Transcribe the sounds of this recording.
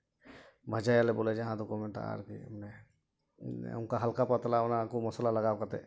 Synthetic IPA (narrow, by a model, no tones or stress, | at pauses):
bʱad͡ʒajalɛbɔlɛd͡ʒaɦãd̪ɔkumɛnʈa̰ʔa̰ɾkḭmnɛ | unkaɦalkapat̪alaɔnakumɔsəlalaɡawkat̪ɛ